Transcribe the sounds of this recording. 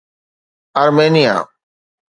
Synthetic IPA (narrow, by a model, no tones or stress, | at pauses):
əɾmeːnɪja̰ː